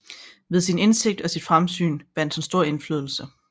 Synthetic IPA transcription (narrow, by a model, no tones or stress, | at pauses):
ʋe̝ðˠsine̝nse̝ɡ̥̚d̥ɒ̽sid̥fʁamsy̰ːnʋ̥æn̰d̥ensd̥o̝ɐ̰e̝nfly̰ðˠl̩sə